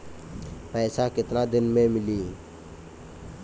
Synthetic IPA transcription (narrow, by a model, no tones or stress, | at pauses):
pɛːsaːkɪt̪naːd̪ɪnmẽːmɪliː